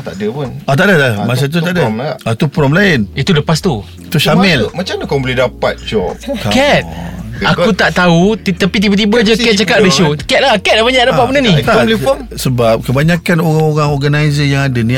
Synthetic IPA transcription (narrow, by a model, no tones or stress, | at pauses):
t̪a̰ʔdəpunɔt̪aʔdaamas̬at̪̬ut̪adaat̪upɾɔmlaɪnit̪uləpast̪u | it̪uʃamɪlmat͡ʃamdəkabolɛdapat̪̚t͡ʃɔkkɛt̪̚akkut̪aʔt̪aut̪t̪apit̪̬ibat̪̬ibad͡ʒəkɛt̪̚t͡ʃakat̪ɾisukɛt̪̚lakɛt̪̚abaɲaʔdapaʔ̚bənanĩlifɔm | səbap̚kəbaɲakanoɣaŋoɣaŋɔɡanajzəjaŋadəni